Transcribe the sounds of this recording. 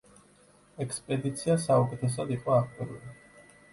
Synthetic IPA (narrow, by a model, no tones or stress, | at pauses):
ɛkʰspʼɛd̪it̪sʰiasaukʼɛt̪ʰɛs̬ad̪iqʼɔak̚ʰt̪ʼiɾṵli